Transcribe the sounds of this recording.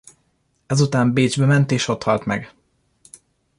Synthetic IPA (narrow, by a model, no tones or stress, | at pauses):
ɛzut̪aːmbeːd͡ʒbɛmɛnt̪eːʃo̞t̪hɒlt̪mɛ̰ɡ